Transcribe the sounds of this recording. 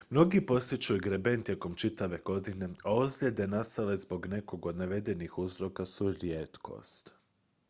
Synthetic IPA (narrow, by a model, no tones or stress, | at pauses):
mno̞ɡipo̞sjet͡ʃujuɡɾebe̞nt̪je̞ko̞mt͡ʃit̪aʋe̞ɡ̥o̞d̪ine̞aozlʲjed̪e̞nast̪ale̞zbo̞ɡne̞ko̞ɡo̞d̪naʋe̞d̪e̞nixuzɾo̞kasuɾjet̪kʰo̞̰st̪